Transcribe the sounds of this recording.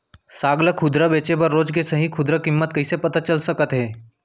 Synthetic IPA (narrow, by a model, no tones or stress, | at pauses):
saːɡləkʰʊd̪ɾəbeːt͡ʃepəɾːoːd͡ʒkesɐɦĩkʰʊd̪ɾəkɪmːət̪kɐisepɐt̪at͡ʃəlsəkət̪ɦɛː